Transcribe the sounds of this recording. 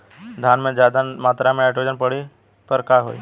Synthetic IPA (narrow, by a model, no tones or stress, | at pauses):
d̪ʱjaːnmẽd͡ʒaːd̪amaːt̪ɾamẽɛːʈod͡ʒənpəɽi | pəɾkaɦo̰ːḭ